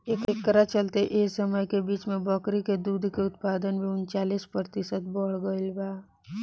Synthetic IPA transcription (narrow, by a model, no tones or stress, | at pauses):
eːkeːkːəɾat͡ʃəlt̪eʔeːsəməjkebiːt͡ʃmẽbɔkɾiked̪uːd̪ʱkeʊt̪̚paːd̪ənmẽʊnt͡ʃaːliːspɾət̪ɪsət̪̚bɔɽɡəɪlbaː